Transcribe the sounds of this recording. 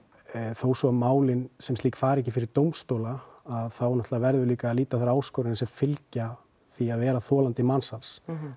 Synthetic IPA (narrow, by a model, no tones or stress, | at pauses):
θowsɔamaːwlɪnsɛmt̪iːkfaːɾɛhcːɪfɪɾɪɾt̪owmst̪owlaːðθawɛɾnɔht̪lavɛɾðʏliːkaːliːt̪aθaɾaːwskowɾɪnsɛmfɪlca | θiaðvɛːɾaθɔːlant̪ɪmansans